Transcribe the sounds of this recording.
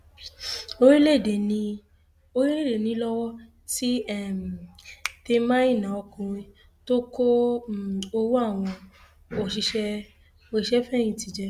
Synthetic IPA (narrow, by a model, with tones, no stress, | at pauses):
o˦ɾi˦le˦˨de˨nĩ˧ | o˦i˦le˦˨de˨nĩ˨˦lɔ˦wɔ˦ | ti˦ɛ˦˨m˨te˧mã˦ĩ˦˨nã˨ɔ˧kũ˧ɾ̃ĩ˧ | to˦ko˦˨ | o˧wo˦a˦˨w̃ɔ̃˧ | o˨ʃi˧ʃɛ˧ | o˧i˨ʃɛ˦fɛ̃˦˨ĩ˧ti˨d͡ʒɛ˧